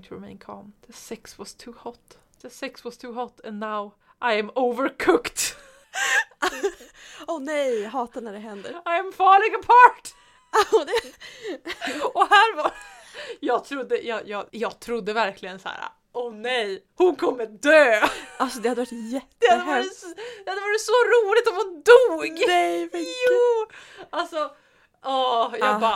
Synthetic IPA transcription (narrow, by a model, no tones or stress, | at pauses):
ŋt̪ʰɹɪmẽɪ̃nkʰɔ̰mðəsɪkswɑst̪ʰʉːhɔt̪ː | ðəsɪkswɑst̪ʰʉːɦɔt̪ʰːɛ̃nːaʊ | ʔajɛ̃movəɾkʰʊkt̪ | onɛjɦɑːt̪anæɖɛɦɛnd̪ə̰ɾajæ̃mfɑːɭɪɡəpʰɑʈ | d̪ɛ | ɔhæːɾvɑ | jɑːɡ̚t̪ʰɾʊd̪ːəjɑːjɑːɡjɑːɡ̚t̪ʰɾʊd̪ːəvæɾklɪɡənsæ̰ːɾa̰ | ʔɔnɛj | hʊnkʰɔmːəd̪øːʔalsɔd̪ɛhad̪əvaʈːjɛt̪ːd̪̥ɛhad̪əsd̪ɛad̪ɛvaɾsɔɾuːlɪt̪ɔmhʊnd̪uːɡɛjjuːalsɔ | ʔɔjɑbaː